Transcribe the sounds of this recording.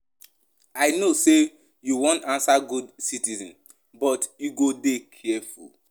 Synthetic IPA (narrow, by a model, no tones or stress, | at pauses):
aɪnose | juwõntãnsaɡudsitizɔ̰̃n | bɔtjuɡodekʰɛɛfṵl